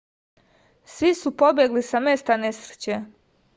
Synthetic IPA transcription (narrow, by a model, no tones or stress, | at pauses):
sʋisupobjeɡlisamest̪anesɾet͡ɕe